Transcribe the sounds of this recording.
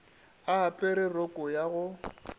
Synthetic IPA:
aapʼɛɾɪrokʼɔjaɣʊ

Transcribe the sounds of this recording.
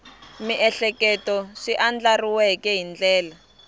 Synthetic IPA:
miʔɛɬɛkɛtɔʂiʔand͡ɮariwɛkɛɦind͡ɮɛːla

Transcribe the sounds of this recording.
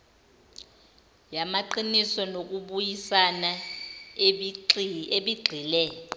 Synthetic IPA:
jamaǃinisɔnok̬uɓujisana | eɓiɡ͡ǃʱiːlɛ

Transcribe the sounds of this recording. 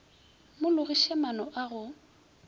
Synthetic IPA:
mʊlʊɣiʃɛmanɔʔaɣʊ

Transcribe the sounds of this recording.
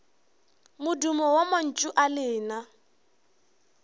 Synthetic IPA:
mʊdumɔwaman̩t͡ʃʼʊʔalɪːna

